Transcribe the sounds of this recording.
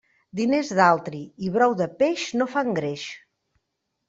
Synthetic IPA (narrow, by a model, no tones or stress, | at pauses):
d̪inezðalˠt̪ɾiiβɾɔwðəpeʃnofaŋɡɾeʃ